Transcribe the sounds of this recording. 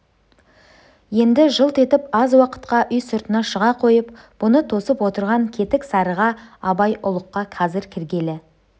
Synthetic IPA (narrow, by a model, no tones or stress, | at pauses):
je̞nd̪ɪʒəlˠt̪ʰe̞t̪ɪpɑzwɑqə̥t̪qɑʔʏjsʊɾt̪ənɑʃəʁɑqʰo̞jəp | b̥ʊnət̪ʰo̞səpwo̞t̪əɾʁɑŋkʲʰe̞t̪ɪksɑɾəʁɑɑbɑjʔʊlˠəqːɑqʰɑzɪɾkʲʰɪɾɡʲe̞lɪ